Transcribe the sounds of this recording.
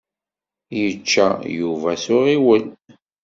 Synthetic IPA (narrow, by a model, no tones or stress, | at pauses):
jət͡ʃːæjuvæsʊʁiwəl